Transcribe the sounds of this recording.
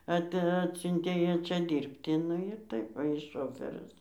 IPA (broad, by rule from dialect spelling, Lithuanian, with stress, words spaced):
ˈɐt ˈɑːtʲsʲʊnʲtʲeː ˈjæː ˈt͡ʃʲɛ ˈdʲiːrʲpʲtʲɪ ˈnʊ ɪr ˈtɐɪp ʋɐ ˈjɪs ˈʃoːfɜrʲɪs